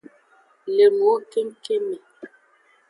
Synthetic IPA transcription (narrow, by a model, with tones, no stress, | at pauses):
le˨mo˨˦ke˦ŋ˦ke˦me˨